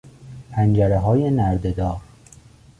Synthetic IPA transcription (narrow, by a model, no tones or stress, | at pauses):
pʰænd͡ʒæɾeɦɒːje̞næɾd̪ed̪ɒːɾ